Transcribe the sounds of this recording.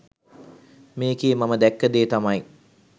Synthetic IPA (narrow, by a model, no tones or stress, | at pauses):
meːkeːmaməd̪ɛkːəd̪eːt̪amaj